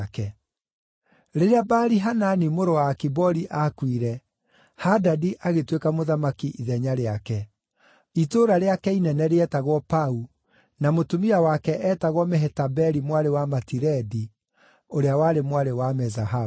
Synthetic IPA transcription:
kɛ | ɾeɾeabaɾiɦananimoɾowaːkibɔɾiʔakwiɾɛ | hadadiʔaɣetwekamoðamakiʔiðɛɲaɾeakɛ | itoɾaɾeakɛinɛnɛɾeɛtaɣwɔpau | namotumiawakɛʔɛtaɣwɔmɛɦɛtabɛɾimwaɾewamatiɾɛdi | oɾeawaːɾemwaɾewamɛzaɦa

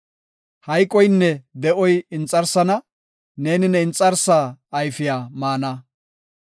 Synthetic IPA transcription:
hɐjkʼːɔjnːɛd̪ɛʔɔjɪnt͡sʼːɐɾsɐnɐ | ne̞ːnɪnɛɪnt͡sʼɐɾsaːjfɪjaːmaːnɐ

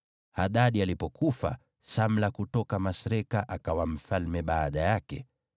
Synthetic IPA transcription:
haɗaɗialipɔkufa̰ | sam̩lakutɔkamasɾɛkaʔakawam̩falmɛɓaːɗajakɛ̰

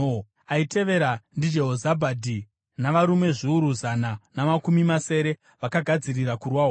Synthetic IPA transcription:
aite̞ʋe̞ɾandid͡ʒe̞ɦozabʱadʱi | naʋaɾume̞ʐiuɾuzananamakumimase̞ːɾe̞ | ʋakaɡʱad͡zirirakurwaɦo

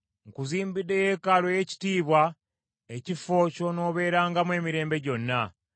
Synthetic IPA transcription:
ŋkuziːmbidːe̞jekalo̞je̞ci̥tiːβwa | ecifo̞ːco̞no̞ːβe̞ːɾaːŋɡamwe̞ːmiɾe̞ːmbe̞ɟo̞nːa

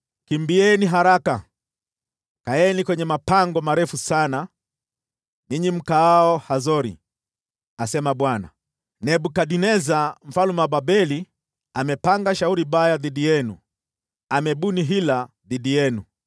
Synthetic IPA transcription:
kimbiɛniɦaɾaka | kaɛnikwɛɲɛmapaŋɡɔmaɾɛfusana | niɲim̩kaaɔhazɔɾḭ | asɛmaɓwana̰ | nɛɓukaɗinɛzam̩falumaɓaɓɛli | amɛpaŋɡaʃauɾibajaðiɗijɛnṵ | amɛɓuniɦila | ðiɗijɛnu

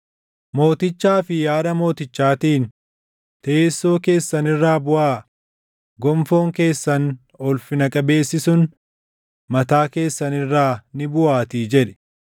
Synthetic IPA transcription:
mo̞ːt̪ɪt͡ʃːaːfɪjaːdɐmo̞ːt̪ɪt͡ʃːaːt̪iːn | t̪ɐeːsːo̞ːke̞ːsːɐnɪrːaːbʊʔaː | ɡɔmfo̞ːŋke̞ːsːɐn | ɔlfɪnɐkʼɐbe̞ːsːɪsʊn | mɐt̪aːke̞ːsːɐnɪrːaːnɪbʊʔaːt̪iːd͡ʒɛᶑɪ̥

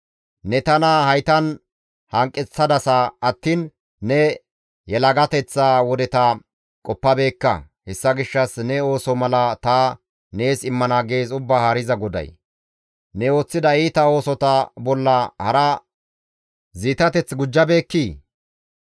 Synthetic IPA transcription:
nɛt̪ɐnɐhɐjt̪ɐn | hɐŋkʼːɛt͡sːɐd̪ɐsɐɐt̪ːiːn | nɛ | jɛlɐɡɐt̪ɛt͡sːaːwɔd̪ɛt̪ɐ | kʼɔpːɐbe̞ːkːɐ̰ | hɛsːɐɡɪʃːɐsnɛo̞ːsɔmɐlɐt̪aː | ne̞ːsɪmːɐnaːɡe̞ːzʊbːaːhaːɾɪzɐɡɔd̪ɐ̰j | nɛo̞ːt͡sːɪd̪ɐiːt̪ɐo̞ːsɔt̪ɐbɔlːɐhɐɾɐ | ziːt̪ɐt̪ɛt͡sɡʊd͡ʒːɐbe̞ːkːiː

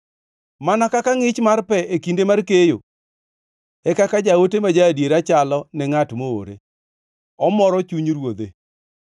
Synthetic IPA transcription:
manakakaŋɪt͡ʃmarpɛʔekindemarkejo̰ | ɛkakad͡ʒawotemad͡ʒadjeɾat͡ʃalɔnɛŋatmoo̰ɾḛ | ɔmɔɾɔt͡ʃuɲɾwod̪e

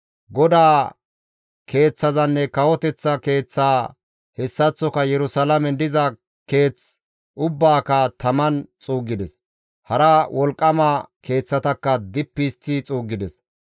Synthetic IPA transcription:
ɡɔd̪aː | kʰe̞ːt͡sːɐzɐnːɛkɐwɔt̪ɛt͡sːɐke̞ːt͡sːaː | hɛsːɐt͡sːɔkɐjɛɾʊsɐlɐmɛnd̪ɪzɐ | ke̞ːt͡s | ʔʊbːaːkɐt̪ɐmɐnt͡sʼuːɡːɪd̪ɛs | hɐɾɐwɔlkʼːɐmɐke̞ːt͡sːɐt̪ɐkːɐd̪ɪpːist̪ːɪt͡sʼuːɡːɪd̪ɛs

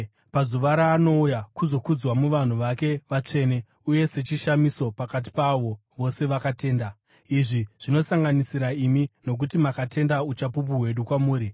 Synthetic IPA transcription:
pazuʋaɾaːno̞ujakuzo̞kud͡zwamuʋan̤uʋake̞ʋat͡ʂe̞ːne̞ | uje̞se̞t͡ʃiʃamiso̞pakat̬i̥paʋo̞ | ʋo̞se̞ʋakate̞ːnda | iʐiʐ̥ino̞saŋɡanisiɾaimino̞k̬utimakate̞ndaut͡ʃapup̬uɦwe̞ɗukwamuːɾi

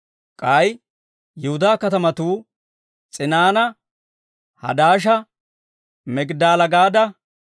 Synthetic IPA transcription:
kʼɐj | jɪhʊd̪aːkɐt̪ɐmɐt̪uː | t͡sʼɪnaːnɐ | hɐ̰d̪aːʃ̬ɐ | mɛɡd̪aːlɐɡaːd̪ɐ

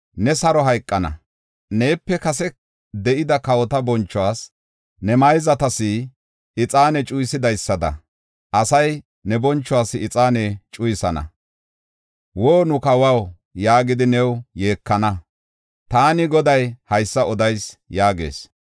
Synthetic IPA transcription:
nɛsɐɾɔɦɐjkʼːɐnɐ̰ | ne̞ːpːɛkɐsɛ | d̪ɛʔɪd̪ɐkɐwɔt̪ɐbɔnt͡ʃːɔwaːs | nɛmɐjzɐt̪ɐsɪ | ɪt͡sʼaːnɛt͡ʃʼʊjɪsɪd̪ɐjsːɐd̪ɐ̰ | ʔɐsɐj | nɛbɔnt͡ʃːɔwaːsɪɪt͡sʼaːnɛt͡ʃʼʊjɪsɐnɐ̰ | woːnʊkɐwɐw | jaːɡɪd̪ɪnɛwje̞ːkːɐnɐ | t̪aːnɪɡɔd̪ɐjhɐjsːɐɔd̪ɐjsjaːɡe̞̰ːs

